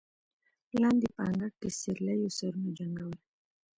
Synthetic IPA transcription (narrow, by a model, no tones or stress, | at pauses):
land̪ipaŋɡakːisiɾlɛjusəɾnud͡ʒaŋɡawɾɛ